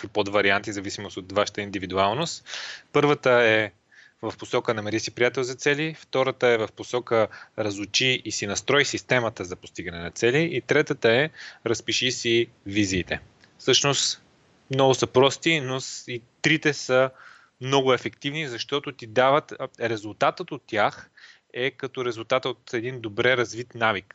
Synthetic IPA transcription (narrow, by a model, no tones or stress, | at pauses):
kvipod̪vɐɾiant̪izɐvisimosot̪vaʃə̥t̪əind̪ivid̪ualˠnost̪pɤɾvət̪əɛ | vɐfposɔkənɐmɛɾisipɾijat̪ɛlˠzɐt̪sɛlift̪ɔɾət̪əɛvɐfposɔkəɾɐzʊt͡ʃiisinɐst̪ɾɔisist̪ɛmət̪əzɐpo̥st̪iɡənɛnɐt̪sɛliʔːt̪ɾɛt̪ət̪əɛɾɐspiʃisi | viziːt̪ɛ | fsɤʃnost̪ | mnɔɡʊsəpɾɔst̪inosit̪ɾit̪ɛsə | mnɔɡʊɛfɛkt̪ivnizɐʃt̪ɔt̪ʊt̪id̪avət̪ɾɛzʊlˠt̪at̪ət̪ot̪ːjax | ɛkɐt̪ɔɾɛzʊlˠt̪at̪ot̪ɛd̪ind̪obɾɛɾɐzvit̪navik